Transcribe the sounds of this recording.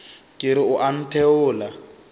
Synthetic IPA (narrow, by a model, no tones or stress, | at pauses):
kʼɪɾɪʊʔan̩tʰɛʊːla